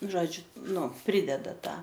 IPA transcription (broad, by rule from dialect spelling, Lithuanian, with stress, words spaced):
ˈʒoːd͡ʒʲʊ ˈnʊ ˈpʲrʲɪdʲɛdɐ ˈtɑː